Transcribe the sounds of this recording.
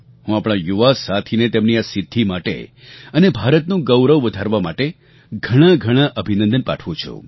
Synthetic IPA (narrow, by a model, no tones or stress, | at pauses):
ɦũapɽ̃ãjuʋasat̪ʰinet̪emniasɪd̪ʱːimaʈḛ | ənebʱaɾət̪nũɡəwɾəʋʋəd̪ʱaɾʋamaʈe | ɡʱəɽ̃ãɡʱəɽ̃aʔəbʱinə̃nd̪ənpa̰ʈʰʋũt͡ʃʰṵ̃